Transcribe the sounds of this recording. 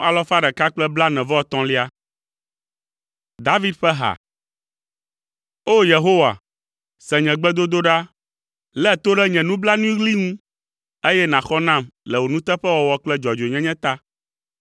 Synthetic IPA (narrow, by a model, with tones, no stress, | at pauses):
a˨lɔ˦fa˦ɖɛ˨ka˦k͡plɛ˦bla˦nɛ̃˨vɔ˦ɔ˨t̪ɔ̃˦li˦a˦ | d̪a˦vi˦d̪ɸɛ˦ɦa̰˨ | o˦je˨ɦo˦wa̰˨ | sɛ̃˨ɲɛ̃˨ɡ͡bɛ˦d̪o˦d̪o˦ɖa˦ | lɛ˦˨t̪o˦ɖɛ˦ɲɛ̃˨nũ˦bla˦nũ˦i˦ɣli˦ŋũ˦ | e˦jɛ˦nã˨xɔ˦nã˦˨mlɛ˨wo˨nũ˦t̪ɛ˦ɸɛ˦wɔ˨wɔ˦k͡plɛ˦d͡ʒɔ˨d͡ʒo˨ɲɛ̃˦ɲɛ̃˦t̪a˦